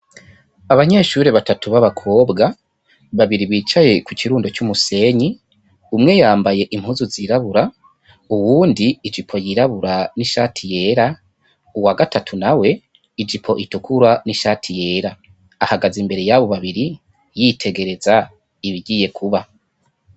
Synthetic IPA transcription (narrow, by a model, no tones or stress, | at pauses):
aβaɲe̞ːʃuːɾeβatatuβaβakʰo̞ːbɡa | βaβiɾiβiːt͡ʃaje̞kucʰiɾuːndo̞t͡ʃumuse̞ːɲi | umŋe̞jaːmbaje̞ʔim̥huzuziɾaβuɾa | uwuːndiːd͡ʒipʰo̞jiɾaβuɾaniʃaːtʰije̞ɾa | uwaɡatʰatʰunawe̞ | id͡ʒipʰo̞ʔitukʰuɾaniʃaːtʰije̞ːɾaː | haɡazimbe̞ɾe̞jaβo̞βaβiɾi | jitʰe̞ɡe̞ɾe̞za | iβiɟiːje̞kʰuβa